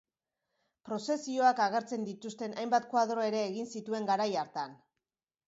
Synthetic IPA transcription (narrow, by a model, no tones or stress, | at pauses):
pɾo̞se̞sio̞akaɣ̞e̞ɾt͡se̞nd̪it̪ust̪e̞najmbat̪kwaðɾo̞e̞ɾe̞ːɣinsit̪ue̞ŋɡaɾajaɾt̪an